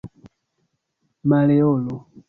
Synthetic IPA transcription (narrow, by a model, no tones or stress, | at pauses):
malɛɔlɔ